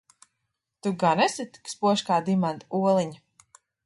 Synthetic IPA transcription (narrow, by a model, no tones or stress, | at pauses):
t̪uɡanɛsit̪kspuɔʃkaːd̪imant̪uɔlˠiɲ